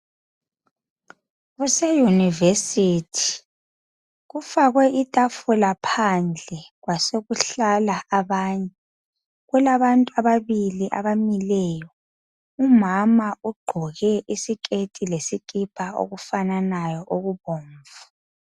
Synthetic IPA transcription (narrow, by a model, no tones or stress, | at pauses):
ɣusɛjunivesitʰi̥ | ɣufaɣwɛʔitʼafulapʰand͡ɮʱɛɣwaseɣuɬalaaβaːɲɛ | ɣulaβantʼuaβaβiliʔa̰βamilɛjɔ | umamauɡ͡ǃʱɔɣɛʔisikʼetʼilesikʼipʼao̰ɣufananajɔʔoɣuβoːɱvu̥